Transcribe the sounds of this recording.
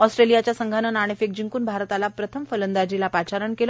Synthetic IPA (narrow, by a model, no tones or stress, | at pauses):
ɔsʈɾelijat͡ɕjasəŋɡʱanənaɽ̃efek̚d͡ʑiŋkuːnbʱaɾt̪alapɾət̪ʰəmfələnd̪ad͡ʑilapat͡ɕaɾəɳkelə